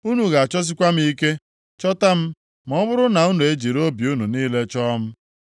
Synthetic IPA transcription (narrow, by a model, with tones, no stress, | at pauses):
u˦nu˨ɣa˨a˨t͡ʃɔ˦s̬ɪ˦kʷa˦m̩˦i˦ke˦ | t͡ʃɔ˦ta˦m̩˦ | m˦ɔ˦bʊ˦ɾʊ˦na˨u˦nu˨e˦d͡ʒi˨ɾo˦bju˦nu˨niː˦le˦t͡ʃɔ˦m̩˦